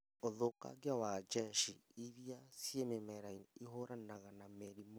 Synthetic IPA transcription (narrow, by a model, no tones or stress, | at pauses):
oðoka̰ɣjawad͡ʒɛʃiiɾjasiɛmemɛɾainiɦoɾanaɣanamɛɾimo